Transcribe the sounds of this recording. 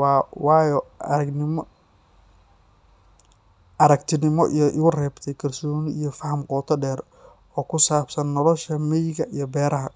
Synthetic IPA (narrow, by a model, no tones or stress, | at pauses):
wɑːjɔɐɐɡnɪm | ɐɾɐkt̪ʰɪnɪmɔʔḭjɔʔɪɣʊrɛːbt̪ʰɛjkʰɐlsɔːnɪijɞfɐhɐmqɔːt̪ʰɔɖɛːr | ɔːkʰʊsaːbsɐnːɔlɔʃɐmɛjɣɐʔijɔbɛːɾɐɦɐ